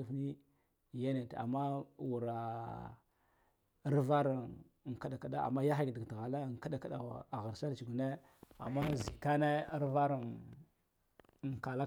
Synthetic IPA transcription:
i˦fni˦˨ | ja˦ne˨ta̰˨mːa˦wu˨ɾa˨ | a˦ɾva˦ɾa˨n˨ | ŋ˨ka˦ɗa˨ka˨ɗa˦a̰˨ma˦ja˦xi˦ɡdi˨ɡtɣa˨la˦˨ŋ˨ka˦da˨ka˦˨ɗa˨a̰˨a˨ɣa˨ɾsa˦ɾt͡ʃi˨ɡu˨ne˦ | a̰˨mːa˦zi˨ka˦ne˦a˦ɾva˦ɾa˨n˨ | ŋ˨ka˨la˦

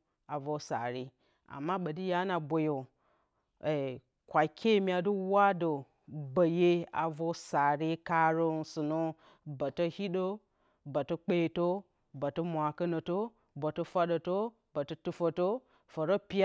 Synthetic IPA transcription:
a˨vo˨sa˨ɾi˦ | a̰˨mːa˦ɓə˨di˦ja˦na˨bʷo˨jo˨ | e˨ | kʷa˨kʰʲe˦˨mi˨a˨du˦wa˦do˨ | bə˨je˦a̰˨vo˦sa˨ɾi˦ka˦ɾo˦n˦su˨nu˦ | ba˨to˦hi˦ɗo˦ | ba˨to˦k͡pe˦˨to˦ | ba˨to˦mʷa˨kə˦no˨to˦ | bo˨to˦fa˦ɗo˨to˦ | ba˨to˦tu˦fo˨to˦ | fo˨ɾo˦pʲi˦

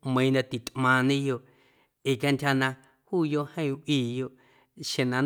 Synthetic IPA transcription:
mẽ˧ĩ˧nã˧t̪i˨t̪mã˧nĩ˦jo˧ʔ | i˨kʲa˧nt̪ʲha˧nã˧ | huː˦˨jo˧ʔhẽ˦ĩ˧ʔʷiː˧˨jo˧ʔ | ʃẽ˨nã˧n

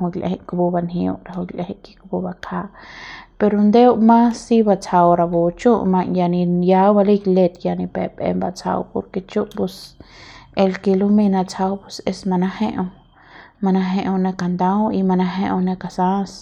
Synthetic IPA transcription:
u˧ɡlʔḛhe˧ʔkbu˧ba˧nhi˧ṵ˧ʔɾa˨hu˧ɡle˧he˦ʔki̥˧kbu˧ba˧kʰa˧ʔpe˧ɾo˧nd̪e˦wmã˦sːi˦ba˧t͡sa˧wɾa˧bo˧t͡ʃu˦ʔmã˧ʔja˧ni˧ja˧ba˧li˦ɡle˧t̪ja˧ni˧pḛ˨pḛ˧mba˧t͡sʰa̰˧wpo̰˧ɾke˧t͡ʃu˦ʔpu˧s | e˧lke˧lu˦mi˧na˧t͡sʰa˧wpu˦se˧sma˧na˦he˧ʔ | ma˧na˧ɦe˧ʔo˧na˧ka˨nd̪ã˦wi˧ma˧nã˧ɦe˧ʔo˧na˧ka˨sã˦s

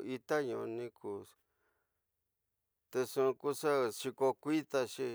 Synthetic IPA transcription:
i˧t̪a˦ɲũ˧˨˧nĩ˧kʰu˨˧ | t̪e˧ʂũ˧ku˧ʂa˦ʂi˧ko˧kʷi˦t̪a˧ʂi˧

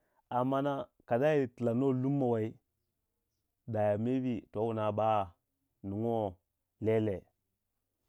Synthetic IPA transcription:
a˨mːa˦na˦ka˨da˦ji˦˨ti˨la˨no˦lu˦mːa˨wa˨i˦ | da˨ja˨me˦vi˦to˨˦wu˨na˨ba˦˨ | nu˨ŋo˦ | le˦le˨

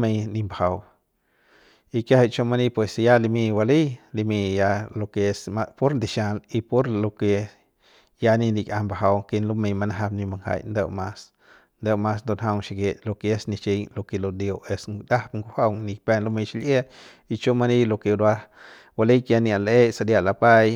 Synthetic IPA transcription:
me˧jni˧mba˨ha˨w | i˧ka˦ha˧˨t͡ʃo˦˧ma˧ni˦pwe˨sja˦li˧mi˧wa˧li˦jli˧mi˧ja˧lo˧ke˧sma˧po˦ɾnd̪i˨ʃa˧li˧po˦ɾlo˧ke˧ | ja˧ni˧ndi˧kʲʼʔa˧mba˨ɦa˧wke˧nlo˦me˧jma˧na˦ɦa˧bni˧ma˧ŋha̰˧jnd̪e˧wma˧s | nd̪e˦˧wma˧s̬nd̪o˧˨nɦa˧wŋʃi˧˨ɡe˧lo˧ke˧e˦sni˧t͡ʃi˧jlo˧ke˨˧lo˧˨d̪jo˧e˧sd̪a˦hpŋɡu˧˦ha˦wŋni˧pe˧nlo˦mi˧ʃi˧lʔe˦ | i˧t͡ʃo˦ma˧ni˦lo˧ke˧ɾwa˧ | wa˧li˦kja˧ni˧a˨lʔe˦sa˧d̪ja˧ʔla˨pa˦j

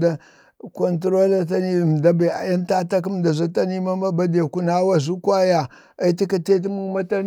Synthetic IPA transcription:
da˦ | ko˨ntɾo˦la˦t̬a˦ni˦˨m˨da˦ba˨a̰˨ja˦nta˦ta˦k̬i˦mda˨za˦ta˦ni˦ma˦ma˦ba˦de˨ku˦na˦wa˦zu˦kwa˦ja˨ | a˦ti˦ka˨te˦t̬i˦mu˦ma˦ta˦n

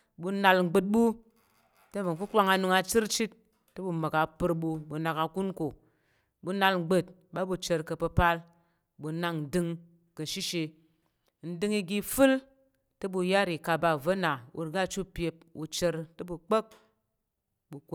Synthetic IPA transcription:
bu˧na˧lŋ͡m̩˦ɡ͡bɨ˧t̚ɓu˦ | te˦˨və˨ku˦k͡pʷa˧ŋa˧nu˧ŋa˧t͡ʃi˦ɾt͡ʃi˦t̚ː | ɨ˦bu˧mə˨ka˨pɨ˧ɾbu˧bu˧na˨ka˧ku˦nko˨ | bu˨˧˦na˧lŋ͡m̩˦ɡ͡bɨ˦t̚ | ba˨˦bu˧t͡ʃə˧ɾkə˧pə˧pa˧l | bu˧na˧ŋn̩˨dɨ˦˧ŋ | kə˨ʃi˦ʃe˧ | n̩˦dɨ˦ŋi˧ɡi˧fɨ˦l | tɨ˦bu˧ja˦ɾi˨ka˧ba˧˨və˦na˨wʔṵ˧ɾɡa˦˨t͡ʃu˦pje˧p̚ṵ˧t͡ʃe˧ɾtɨ˦bu˧k͡pə˦k̚ | ɓu˧k

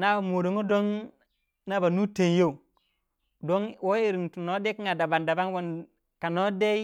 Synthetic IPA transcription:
na˦ba˨mo˨ɾo˨ŋo˦do˦n | na˦ba˨nu˦te˨n˦jo˦u˨ | do˦ŋwo˦i˨ɾi˨tu˨no˦de˦kŋa˨da˨ba˨nda˨ba˦nwo˦n | ka˨no˦de˦i˦

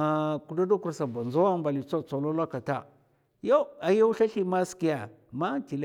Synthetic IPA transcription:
ku˨da˦do˦ku˨ɾsa˨ba˨nza˦wa˦mba˨li˨t͡so˦t͡so˨lo˦la˦ka˨ta˦ | jo˦a˨jo˦u˦ɬa˦ɬi˦ma˦ski˦ja˨ | ma˦ti˨l

